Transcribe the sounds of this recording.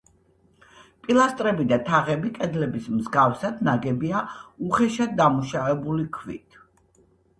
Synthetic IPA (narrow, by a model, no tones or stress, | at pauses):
pʼilˠast̪ʼɾɛbid̪at̪ʰaʁɛbikʼɛd̪lɛbismzɡafsad̪naɡɛbiauχɛʃad̪̚d̪amuʃavɛbulikʰvḭt̪ʰ